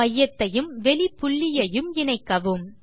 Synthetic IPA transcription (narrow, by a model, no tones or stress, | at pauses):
ɐjːɐt̪ːɐjɯmʋɛlipːʊɭːɪjɐjɯmɪnɐɪkːɐʋɯm